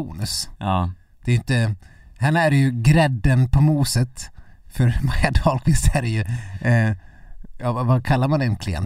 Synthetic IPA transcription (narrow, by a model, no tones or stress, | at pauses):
ṵːnəs | d̪̥ɛjʏnt̪ə | hɛnːaæɾjɵɡɾɛd̪ːənpʰɔmuːsət̪fœɾmajad̪ɔlkɪsæɾjɵ | jɑːavakʰalːaɾmanɛnkʰlɪɛ̰n